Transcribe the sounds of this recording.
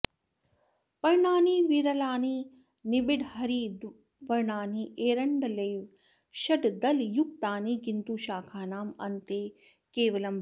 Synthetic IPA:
pɐɾɳaːniːʋiɾɐlaːniː | nibiɖhɐɾiːd̪ | ʋɐɾɳaːniːeːɾɐɳɖɐlɐjʋ | ʃɐɖd̪ɐljuk̚t̪aːniːɡint̪uːʃaːkʰaːnaːmɐ̰nt̪eː | keːʋɐlɐmbʱ

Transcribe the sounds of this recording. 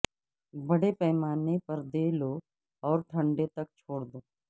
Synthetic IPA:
bɐɽepɛːmaːnepɐɾd̪eːloː | ɔːɾʈʰɐ̃ɳɖet̪ɐk̚t͡ʃʰoːɽd̪oː

